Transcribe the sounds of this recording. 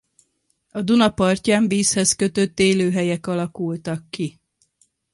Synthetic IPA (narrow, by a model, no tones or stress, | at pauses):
ɒd̪unɒpɒrcaːɱviːshɛskø̞t̪ø̞t̪ːeːløːɦɛjɛkɒlɒkult̪ɒkːi